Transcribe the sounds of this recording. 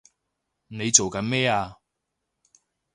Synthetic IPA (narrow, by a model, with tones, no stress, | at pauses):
ne˨˧jt͡so˨wkɐ˨˥nmɛː˥aː˧